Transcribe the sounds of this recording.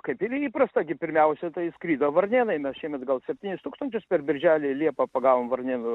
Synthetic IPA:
kɐɪpɪɾiːpɾɐst̪ɐɡʲɪpʲɪɾʲmʲɛʊsʲɛt̪ɐɪskɾʲiːd̪oːʋɐrʲnʲeːnɐɪmʲɛsʃʲiɛmʲɛt̪ɡɐlˠsʲɛpʲtʲiːnʲɪst̪uːkst̪ɐnʲt͡ʃʲʊspʲɛrbʲɪɾʲʒʲæːlʲɪlʲiɛpɐpɐɡɑːʋoːmʋɐrʲnʲeːnʊ

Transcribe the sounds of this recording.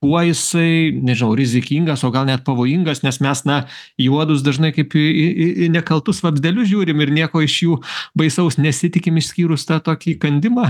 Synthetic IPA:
kuɔjɪsɐɪnʲɛʒʲɪnɐʊɾʲɪzʲɪkʲiŋɡɐsoːɡɐlˠnʲɛt̪̚pɐʋoːjɪŋɡɐsnʲɛsmʲɛsnɐjuɔd̪ʊsd̪ɐʒnɐɪkɐɪpɪɪnʲɛkɐlˠt̪ʊsʋɐbʲzʲd̪ʲɛlʲʊʒʲuːɾʲɪmɪɾnʲiɛkoːɪʃjuːbɐɪsɐʊsnʲɛsʲɪt̪ʲɪkʲɪmɪʃʲsʲkʲiːɾʊst̪ɑt̪oːkʲiːkɐnʲd̪ʲɪmɑ

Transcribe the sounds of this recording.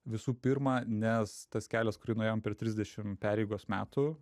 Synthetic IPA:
ʋʲɪsuːpʲɪɾmɑːnʲɛst̪ɐskʲæːlʲɛskʊɾʲɪnʊeːjoːmpʲɛrt̪ʲɾʲɪzʲd̪ʲɛʃʲɪmpʲæːɾʲɛɪɡoːsmʲæːt̪ʊ

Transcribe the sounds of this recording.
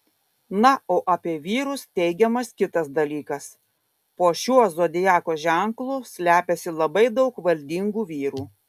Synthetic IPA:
nɐoːʔɐpʲiɛʋʲiːɾʊst̪ʲɛɪɡʲɛmɐskʲɪt̪ɐsd̪ɐlʲiːkɐs | poːʃʲuɔzoːd̪ʲɪjæːkoːʒʲɛŋklˠuːsʲlʲæːpʲɛsʲɪlˠɐbɐɪd̪ɐʊkʋɐlʲd̪ʲiŋɡuːʋʲiːɾuː

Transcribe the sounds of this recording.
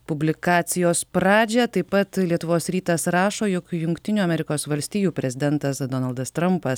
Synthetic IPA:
pʊbʲlʲɪkɑːt̪sʲɪjoːspɾɑːd͡ʒʲɛt̪ɐɪpɐt̪lʲiɛt̪ʊʋoːsɾʲiːt̪ɐsɾɑːʃoːjokjʊŋkt̪ʲɪnʲuːɐmʲɛɾʲɪkoːsʋɐlʲsʲt̪ʲiːjuːpʲɾʲɛzʲɪd̪ʲɛnt̪ɐsd̪ɔnɐlˠd̪ɐst̪ɾɐmpɐs

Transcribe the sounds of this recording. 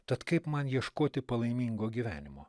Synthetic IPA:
t̪ɐt̪kɐɪpmɐnjiɛʃkoːt̪ʲɪpɐlˠɐɪmʲiːŋɡoːɡʲiʋʲæ̰ːnʲɪmoː

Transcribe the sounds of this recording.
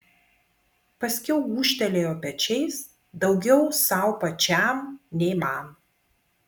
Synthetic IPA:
pɐsʲkʲɛʊuːʃʲt̪ʲɛlʲeːjoːpʲɛt͡ʃʲɛɪs | d̪ɒʊɡʲɛʊsɐˑʊpɐt͡ʃʲæˑmnʲɛɪmɑˑm

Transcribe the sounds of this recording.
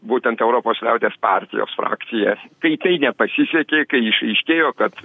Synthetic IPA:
buːt̪ʲɛnt̪ɛʊɾoːpoːslʲɛʊt̪ʲeːspɑːɾʲt̪ʲɪ̰jo̰ːsfɾɑ̰ːkt̪sʲɪjɛkɐɪt̪ɐɪnʲɛpɐsʲɪsʲɛkʲeːkɐɪɪʃɐɪʃʲkʲeːjoːkɐt̪

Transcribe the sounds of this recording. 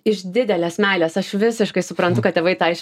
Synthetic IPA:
ɪʃd̪ʲɪd̪ʲɛlʲesmʲæːlʲeːsɐʃʋʲɪsʲɪʃkɐɪsʊpɾɐnt̪ʊkɐt̪t̪ʲeːʋɐɪt̪ɐɪʃ

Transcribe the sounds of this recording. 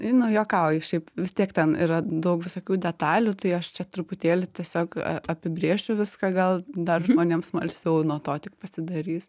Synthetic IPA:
nʊjoːkɑʊjɪʃʲɛɪpʋʲɪst̪ʲiɛkt̪ʲɛniːɾɐd̪ɐʊkʋʲɪsoːkʲuːd̪ʲɛt̪ɑːlʲuːt̪ɐɪɐʃt͡ʃʲɛt̪ɾʊpʊt̪ʲeːlʲɪt̪ʲiɛsʲoːkɐ̰ɐpʲɪbʲɾʲeːʃʲʊʋʲɪskɐɡɐlˠd̪ɐrʒmoːnʲiːmsmɐlʲsʲɛʊnuɔt̪oːt̪ʲɪk̚pɐsʲɪd̪ɐɾʲiːs

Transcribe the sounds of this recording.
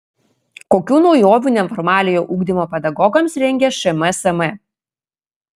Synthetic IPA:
koːkʲuːnɒʊjoːʋʲuːnʲɛfɔɾmɑːlʲɪjoːʔuːɡd̪ʲɪmoːpʲɛd̪ɐɡɔɡɐmsɾʲɛŋʲɡʲɛʃɛmɛsɐmɛ

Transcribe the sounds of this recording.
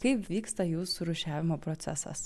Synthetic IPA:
kɐɪpʋʲiːkst̪ɐjuːsʊɾʊʃʲæːʋʲɪmoːpɾɔt̪sʲæ̰sɐ̰s

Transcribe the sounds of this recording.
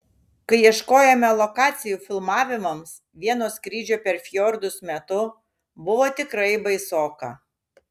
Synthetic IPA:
kɐɪiɛʃkoːjɛmʲɛlˠɔkɑːt̪sʲɪjuːfʲɪlˠmɑːʋʲɪmɐms | ʋʲiɛnoːskɾʲiːd͡ʒʲoːpʲɛɾfʲjɔɾd̪ʊsmʲɛt̪ʊ | bʊʋoːt̪ʲɪkɾɐɪbɐɪsoːkɐ̰

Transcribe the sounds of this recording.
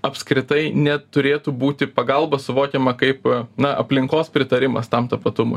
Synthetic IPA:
ɐpʲskɾʲɪt̪ɐɪnʲɛt̪ʊɾʲeːt̪ubuːt̪ʲɪpɐɡɐlˠbɐsʊʋoːkʲɛmɐkɐɪpnɐʔɐ̰pʲlʲɪŋkoːspʲɾʲɪt̪ɐɾʲɪmɐ̰st̪ɐmt̪ɐpɐt̪ʊmʊ̰

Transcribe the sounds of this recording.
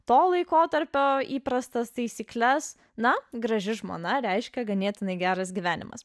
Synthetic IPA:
t̪oːlˠɐɪkoːt̪ɐɾʲpʲoːiːpɾɐst̪ɐst̪ɐɪsʲiːklʲɛs | nɐɡɾɐʒʲɪʒmo̰ːnɐɾʲɛɪʃʲkʲɛɡɐnʲeːt̪ʲɪnɐɪɡʲæːɾɐs̬ɡʲiʋʲæːnʲɪ̰mɐ̰s

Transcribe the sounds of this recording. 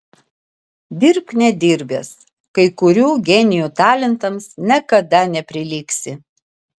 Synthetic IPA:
d̪ʲɪɾpnʲɛd̪ʲiːɾʲbʲeːs | kɐɪkʊɾʲuːɡʲɛnʲɪjuːt̪ɑːlʲɛnt̪ɐmsnʲɛkɐd̪ɐnʲɛpʲɾʲɪlʲiːksʲɪ

